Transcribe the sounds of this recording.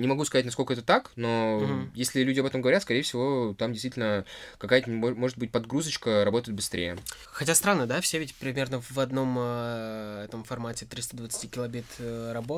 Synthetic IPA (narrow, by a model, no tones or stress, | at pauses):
nʲɪmɐɡuskɐzatʲnɐskolkəɛt̪ət̪akno̞jesʲlʲɪlʲudʲɪɐbɛt̪əmɡəvɐɾʲat̪skɐɾʲejɪfsʲɪvo̞t̪amdʲɪst̪vitʲɪlʲnəkɐkajət̪ənʲomo̞ʐɨt̪bɨt̚ʲpɐd̪ɡɾuzət͡ɕkəɾɐbo̞t̪əɪt̪bɨst̪ɾʲʔḛjə̰ | xɐtʲast̪ɾanːəd̪afsʲevʲɪtʲpɾʲɪmʲe̞rnəvɐd̪no̞m | ɛt̪əmfɐrmatʲɪt̪ɾʲist̪əd̪vət̪sɨ̥tʲikʲɪlˠɐbʲet̪rɐbo